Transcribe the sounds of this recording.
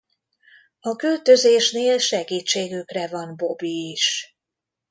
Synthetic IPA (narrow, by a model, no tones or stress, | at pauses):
ɒkylt̪ø̞zeːʃneːlʃɛɡiːt͡ʃːeːɡykrɛvɒnbo̞biːʃ